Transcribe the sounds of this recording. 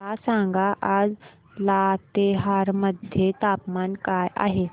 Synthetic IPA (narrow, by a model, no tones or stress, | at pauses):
asãŋɡʱaʔad͡z | lat̪eɦaɾməd̪ʱjet̪apmankajʔa̰ɦe